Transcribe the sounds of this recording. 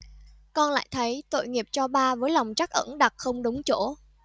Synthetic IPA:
kɔ˧nla̰ː˧˨jt̪ʰə˨˦jt̪o̰˧˨jŋi˨˩əp̚t͡ɕɔ˧ɓaː˧vəː˨˦jla˨˩wŋ͡mt͡ɕa˦˥k̚ʔə̰˧˥nɗa˨˩t̚xə˧wŋ͡mɗə˨˦wŋ͡mt͡ɕo˧˥

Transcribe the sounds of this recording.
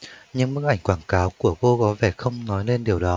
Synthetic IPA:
ɲɨ˧ŋmɨ̰˦˧˥k̚ʔa˧˩jŋ̟kwaː˧˩nkaː˨˦wku˧˩əko˧kɔ˨˦vɛ˧˩xə˧wŋ͡mnɔ˨˦jle˧nɗi˨˩əwɗɔ˨˦

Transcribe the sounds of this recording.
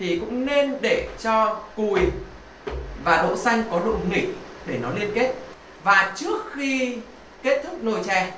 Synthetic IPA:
t̪ʰi˨˩kʊ̰˧˥ŋ͡mne˧nɗe˧˩t͡ɕɔ˧ku˨˩j | vaː˨˩ɗo̰˧˨sa˧jŋ̟kɔ˨˦ɗʊ̰˧˨ŋ͡mŋḭ˧˨ŋ̟̚ | ɗe˧˩nɔ˨˦li˧ənke˦˥t̚ | vaː˨˩t͡ɕɨ˦˥ək̚xi˧ | ke˦˥t̚t̪ʰɨ˦˥k̚no˧˩jt͡ɕɛ˧˩

